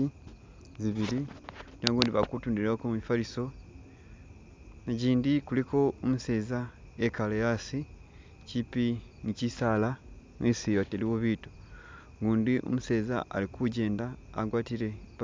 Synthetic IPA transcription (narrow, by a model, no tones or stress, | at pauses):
i | ziβiɾioaŋɡoːndiβakutuːndiɾeokomumifaliso̞ | eɟiːndikulikʰo̞omuse̞ːzaekalejasi | cipiŋicisaːlaŋisijateliwoβiːto̥ | ŋɡuːndiʔo̰muse̞ːza̰ʔa̰likʰuɟe̞ːnda̰ːɡwaːtiɾe̞β